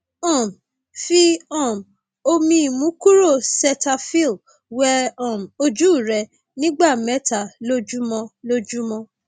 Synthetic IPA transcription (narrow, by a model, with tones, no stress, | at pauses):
ɔ̃˦˨m | fi˦ɔ̃˦˨m | o˧mĩ˦i˨mũ˨˦ku˦ɾo˦˨sɛ˧ta˧fi˦˨l | wɛ˧ɔ̃˦˨m˨o˧d͡ʒu˦˨ɾɛ˧ | nĩ˦ɡ͡ba˦˨mɛ˨˦ta˨lo˦d͡ʒu˦mɔ̃˧lo˦d͡ʒu˦mɔ̃˧